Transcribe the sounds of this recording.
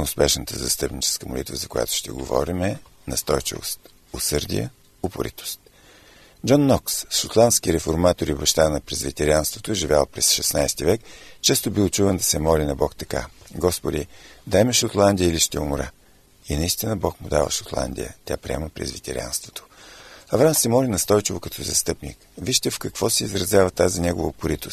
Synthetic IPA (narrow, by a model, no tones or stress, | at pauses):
ʊspɛʃnət̪əzɐst̪ɤpnit͡ʃɛ̥skəmʊ̰lit̪vəzɐkʊja̰t̪ʊ̥ʃt̪ɛ̰ɡo̰vɔ̰ɾimɛ | nɐst̪ɔjt͡ʃḭvo̰st̪ | osɤɾd̪ʲḭjə̰ | opʊ̰ɾḭt̪o̥st̪ | d͡ʒɔnːɔksʃot̪lˠant̪skiɾɛfoɾmat̪oɾibɐʃt̪anɐpɾɛzvit̪ɛɾʲijanst̪vot̪oʒivʲjalˠpɾɛsʃɛsnajst̪ivɛkt͡ʃɛst̪obilˠt͡ʃuvɛnd̪ɐsɛmɔlinɐbɔkt̪ɐ̥ka̰ɡɔspʊd̪id̪aɛmɛʃot̪lˠand̪ijəiliʃt̪ɛmʊɾa̰ | inɐist̪inəbɔkmʊd̪avə̰ʃot̪lˠa̰nd̪ʲḭə̰t̪ʲja̰pɾiɛ̰məpɾɛ̰zvit̪ɛ̰ɾʲia̰nst̪vo̥t̪ʰo̥ɐvɾansɛmɔlinɐst̪ɔjt͡ʃivokɐt̪ʰɔzɐst̪ɤpnḭk | viʃt̪ɛfkɐkv̥ɔsɛizɾɐzʲjavət̪azinʲɛɡovəopʊɾit̪ost̪